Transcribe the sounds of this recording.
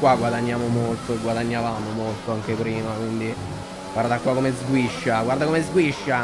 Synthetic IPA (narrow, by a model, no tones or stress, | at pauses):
kwaɡwad̪aɲːaːmomolt̪oeɡːwad̪aɲːavaːmomolt̪oaŋk̟epɾiːmakwind̪i | ɡwaɾd̪akwakːomezɡwiʃːaɡward̪akomezɡwiʃːa